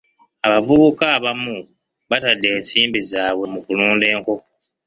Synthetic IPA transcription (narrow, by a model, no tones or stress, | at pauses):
aβavuβukaβamu | βatadːe̞ːnsiːmbizaːβwe̞mukuluːnde̞ːŋko̞